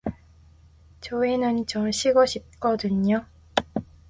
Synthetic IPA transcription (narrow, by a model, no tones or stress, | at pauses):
t͡ɕoenɯnt͡ɕʌɕʰiɡʌɕʰip̚k͈ʌdɯɲo